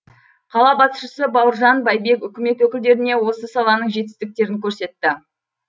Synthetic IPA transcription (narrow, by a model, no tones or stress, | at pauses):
qʰɑlˠɑbɑt̪ʃəsəbɑwəɾʒɑnbɑjbe̞kʏkʲɪme̞t̪wɵkʲɪld̪e̞ɾɪne̞wo̞səsɑlˠɑnəɴʒe̞t̪ɪ̥st̪ɪk̚t̪e̞ɾɪŋkʲʰɵɾse̞t̪ːɪ